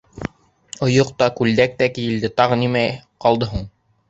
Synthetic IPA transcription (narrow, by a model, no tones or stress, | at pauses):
ŏjoq̚t̪ɑkʉld̪æk̚t̪ækijɘ̆ld̪ɘt̪ɑʁɤ̆nimæqɑlˠd̪ɤɦuɴ